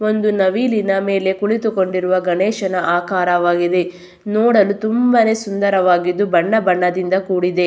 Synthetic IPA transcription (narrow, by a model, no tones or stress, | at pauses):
o̞nd̪unɐʋiːlinɐme̞ːle̞kuɭit̪uko̞ɳɖiɾuʋɐɡɐneːʃɐnɐʔaːkaːɾɐʋaːɡid̪e̞ | noːɽɐlut̪umbɐne̞ːsund̪ɐɾɐʋaːɡid̪ːubɐɳːɐbɐɳːɐd̪ind̪ɐkuːɽid̪e̞